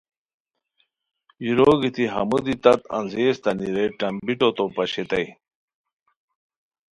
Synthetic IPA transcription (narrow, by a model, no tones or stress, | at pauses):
jiɾoɡit̪iɦɐ̰mud̪it̪ɐt̪ɐ̰nzeːst̪ɐniɾeʈɐmbiʈot̪opɐɕet̪ɐj